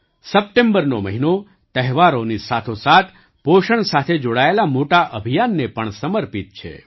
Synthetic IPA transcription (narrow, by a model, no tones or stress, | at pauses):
səp̚ʈẽmbəɾnoməɦino | t̪əɦʋaɾonisat̪ʰosat̪ʰ | poʃəɳsat̪ʰed͡ʒoɽaelamoʈaʔəbʱijanːepəɳsəməɾpit̪̚t͡ʃʰḛ